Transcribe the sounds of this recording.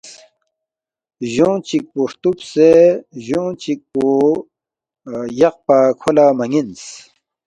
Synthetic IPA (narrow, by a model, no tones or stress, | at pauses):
ʑõːt͡ɕik̚poʂt̪upseʑõːt͡ɕik̚po | jɐq̚pakʰolamɐŋins